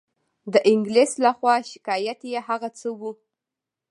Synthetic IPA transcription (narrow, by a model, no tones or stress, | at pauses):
d̪əʔɪŋɡleslaxwɑʃɪ̥kɑjat̪jeɦaɣat͡səwu